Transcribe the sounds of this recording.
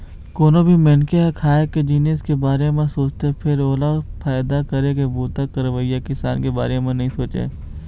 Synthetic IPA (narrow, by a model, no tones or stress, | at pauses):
koːnobʱimenkeɦekʰaːeked͡ʒiːneskebaːɾemẽsoːt͡ʃt̪epʰɪɾoːlapʰaːjd̪akɐɾekebuːt̪akəɾʋəijakɪsa̰ːnkeba̰ːɾemẽnɐɦĩsoːt͡ʃḛː